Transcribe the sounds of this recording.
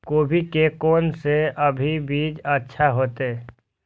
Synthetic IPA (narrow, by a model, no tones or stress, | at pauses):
koːbʱikekoːnseʔəbʱibiːd͡ʒətːʃʰaɦoːt̪eː